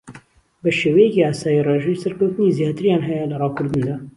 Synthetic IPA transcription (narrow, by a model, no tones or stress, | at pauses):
bɐʃeːwɐjɛkiaːsaːjireːʒejsɐɾkɐwt̪ɨnizjaːt̪ɨɾjaːnɦɛjɛlɐrɑːkʰʊɾd̪ɨnd̪aː